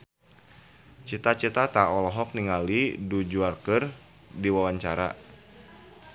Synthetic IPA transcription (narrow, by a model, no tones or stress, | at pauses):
t͡ʃit̪at͡ʃit̪at̪aɔlɔɦɔk̚niŋalidud͡ʒuarkər | diwawaɲt͡ʃaɾa̰